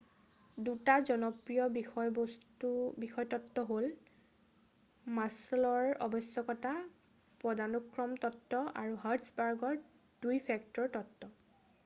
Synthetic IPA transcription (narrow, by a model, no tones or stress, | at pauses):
dutazɔnɔpɹijɔbixɔjbɔstubixɔjtɔtːɔɦol | maslɔɹɔ̰bɔsjɔkɔta | pɹɔdanukɹɔmtɔtːɔa̰ɹuɦaɹtsbaɹɡɔɹ | d̥ujpʰɛktɔɹtɔtːɔ